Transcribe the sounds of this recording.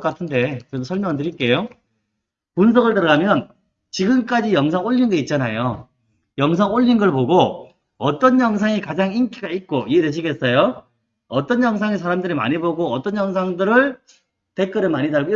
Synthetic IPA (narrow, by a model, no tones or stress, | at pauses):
k͈atʰɯnde̞kɯɾed̬osʰʌɭmjʌŋɯntɯɾik͈e̞jo | puns̬ʰʌɡɯɭtɯɾʌɡamjʌn | t͡ɕiɡɯmk͈ad͡ʑijʌŋs̬ʰaŋoʎːinɡʌit̚t͡ɕ͈anajo | jʌŋs̬ʰaŋoʎːinɡʌɭpoɡo | ʌt͈ʌnjʌŋs̬ʰaŋikad͡ʑaŋink͈ʰiɡait̚k͈oiedweɕʰiɡe̞s͈ʌjo | ʌt͈ʌnjʌŋs̬ʰaŋesʰaɾamdɯɾima̰ɲiboɡoʌt͈ʌnjʌŋsʰaŋdɯɾɯɭ | te̞k͈ʌɾɯmaɲidaɭɡoi